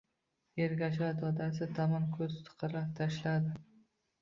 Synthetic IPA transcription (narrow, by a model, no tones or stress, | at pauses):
eɾɡʲaʃ̬ad̪ɒd̪asɪt̪ʰamankʰɵzt̪ʰɨ̥qʰɨɾlap̚t̪ʰaʃlad̪ɪ